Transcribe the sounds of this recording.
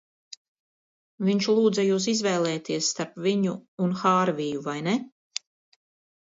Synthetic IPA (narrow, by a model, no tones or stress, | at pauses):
viɲt͡ʃlˠuːd̪zajuːs̬izvɛːlˠɛːt̪ʰiɛsːt̪aɾpviɲuːnxaːɾvijuvajnɛ